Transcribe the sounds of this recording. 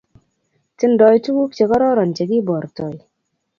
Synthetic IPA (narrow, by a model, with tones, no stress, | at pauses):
tɪ˦ndɔ˨jtu˦ɡu˦k̚t͡ʃe˨kɔ˦ɾɔ˦ɾɔ˨nt͡ʃe˨ɡi˦bɔ˨ɾtɔ˨j